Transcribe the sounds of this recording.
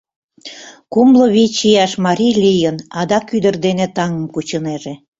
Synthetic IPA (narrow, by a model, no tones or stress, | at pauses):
kumloβit͡ɕijɑʃmɑɾʲilʲijənɑd̪ɑkyd̪ərd̪enet̪ɑŋəmkut͡ɕəneʒe